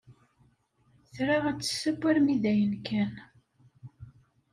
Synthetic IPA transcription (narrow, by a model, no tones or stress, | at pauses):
θɾaʁæt͡sːə̥sːəkʷːəɾmiðæjənkæn